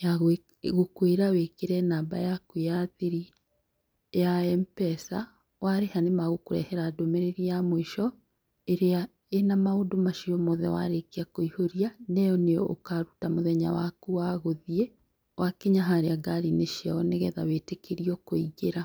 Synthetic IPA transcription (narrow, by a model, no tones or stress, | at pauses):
jaɣ | ɣokweɾawekeɾɛnaːba̰jakojaðiɾi | jaɛmpɛsa̰ | waɾehanemaɣokoɾɛ̰hɛɾadomeɾeɾijamoiʃɔ | eɾea | enamaodomaʃiɔmɔðɛ̰wa̰ɾekeakoihoɾianɛjɔneɔo̰kaɾutamoðɛɲa̰wakuwaɣoðie | wakeɲaɦaɾeaɡaɾineʃiaɔneɣɛða̰wetekeɾiɔkoiɣeɾa